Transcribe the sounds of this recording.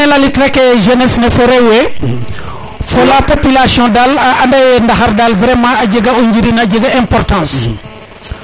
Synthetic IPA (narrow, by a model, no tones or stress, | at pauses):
ɛlɐlitlɛkɛʒenɛsnɛfɔɾɛwɛ | fɔlapopilasjɔ̃dalɐndɐjɛndɐxɐɾdalvɾɛmãɐɟəɡɐuɲd͡ʒiɾinɐɟəɡɐɛ̃mpɔrtãːs